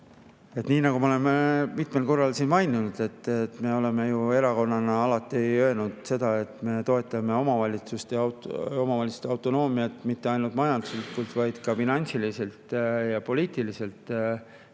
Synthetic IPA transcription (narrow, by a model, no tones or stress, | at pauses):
e̞t̪niːnɑɡumeole̞memit̪me̞lko̞rːɑlsiːnmɑjnunud̪̥e̞t̪ːˑet̪ːˑme̞o̞le̞me̞jue̞ɾɑko̞nːɑnɑɑlɑt̪ːˑiø̞ːnud̪̥se̞d̪̥ɑe̞t̪ˑme̞t̪o̞e̞t̪ˑːɑme̞o̞mɑvɑlʲit̪sust̪eo̞mɑvɑlʲit̪su̥st̪eɑwt̪ˑo̞no̞ːmiɑt̪mit̪ːe̞ɑjnult̪mɑjɑnd̪̥uslikːult̪vɑjd̪̥kɑfinɑnʲsilise̞lt̪jɑpo̞lʲiːt̪ilise̞lt̪ːˑ